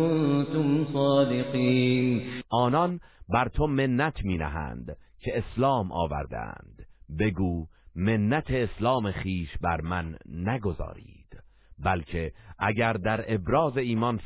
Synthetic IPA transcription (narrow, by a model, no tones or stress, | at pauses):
nt̪omsɒːd̪eqiːnʔɒːnɒnbæɾt̪ʰo̞me̞nːæt̪ʰmiːnæ̰ɦæ̰ːnd̪ | cʰe̞eslɒːmʔɒ̰ːvæ̰ɾd̪æ̰æ̰nd̪̥be̞ɡuːme̞nːæt̪ʰe̞ːslɒːme̞χiːʃbæɾmænːæɡo̞zɒ̰ːɾḭːd̪̥ | bælcʰe̞ʔæɟæɾd̪æɾe̞bɾɒːze̞iːmɒn